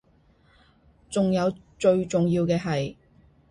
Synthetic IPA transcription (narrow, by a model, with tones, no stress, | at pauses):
t͡sʊ˨ŋjɐ˨˧w | t͡ʃɵ˧ɥt͡sʊ˨ŋjiː˧wkɛː˧ɦɐ˨j